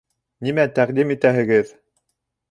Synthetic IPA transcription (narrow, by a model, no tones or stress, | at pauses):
nimæt̪æqd̪imit̪æɦɘ̆ɡɘð